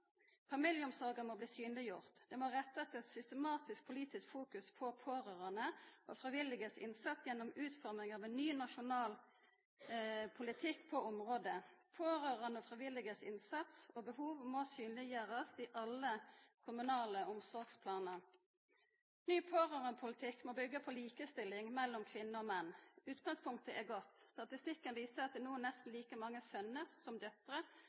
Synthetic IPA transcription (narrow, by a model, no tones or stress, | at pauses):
fɑmɪljəʊmsɔʁɡəmɔbliːsyːnlɪjʊʁt̪d̪̥ɛmoʁɛt̪ːət̪ʰɪlɛt̪sʏst̪əmɑːt̪ɪsk̚pʰʊliːt̪ɪskfuːkʉspʰɔpʰoːʁøːʁənəɔfɾɪʋɪlɪɡəsɪ̰nsɑt̪sjɛnːɔmʉːt̪fɔɾmʁɪŋɑːʋɛnnyːnɑʃʊnɑːl | pʰʊlɪt̪ʰɪkːpʰɔʔɔmʁoːd̪əpʰoːʁøːʁɑnəɔfʁɪʋɪlɪɡəsɪ̰nsɑt̪sɔbəhuːʋmosyːnlɪjøːɾəsɪʔɑlːəkʰʊmʉnɑːləɔmsɔɾɡspʰlɑːnəʁ | nyːpʰoːʁøːʁənpʰʊlɪt̪ʰɪkːmɔbʏɡːəpʰɔliːkəst̪ɪlːɪŋmɛlːɔmkʰʋɪnːəɔmɛnːʉːt̪ɡɑŋspʰʊŋkt̪əʔɛɡɔt̪ːst̪ɑt̪ɪst̪ɪkːənʋiːsəʁɑt̪̚d̪ɛnuːənnɛst̪n̩liːkəmɑŋːəsœnəʁsɔmd̪œt̪ʁə